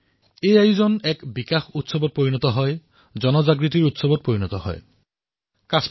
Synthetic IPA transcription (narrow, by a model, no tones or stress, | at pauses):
ejajuzɔnɛkbikaxutsɔbɔt̚poɹinɔtɔɦɔj | zɔnɔzaɡɹit̬iɹutsɔbɔt̚poɹinɔtɔɦɔ̰j | kas